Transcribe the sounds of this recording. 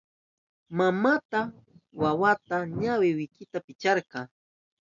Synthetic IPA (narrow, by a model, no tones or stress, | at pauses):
mamat̪a | wawat̪aɲawɪwɪkɪt̪apɪt͡ʃaɾqɑː